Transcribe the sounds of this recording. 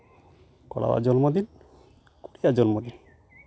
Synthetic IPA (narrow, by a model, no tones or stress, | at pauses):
kɔɽa̰wa̰d͡ʒɔnmod̪in | kuɽijad͡ʒɔnmod̪in